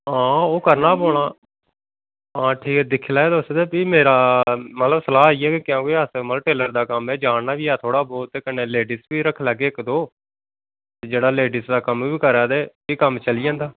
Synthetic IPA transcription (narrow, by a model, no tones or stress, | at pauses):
ɦãːoːkəɾnaːboːɽ̃aː | ãːʈʰiːkɛːd̪ɪkʰːlaːed̪osd̪eːpiːmeːɾaːmət̪ləbsəlaːiːɛːkekɪjãːkoiəsməlʈeːləɾd̪aːkəmɛːd͡ʒaːɳnaːʋiːaːt̪ʰoːɽaːbɔːt̪eːkəneːleːɖiːsbiːɾəkʰlaːɡeːɪkd̪oː | t̪eːd͡ʒeːɽaːleːɖisd̪aːkəmiːbiːkəɾaːd̪eː | iːkəmt͡ʃəlijãːnd̪aː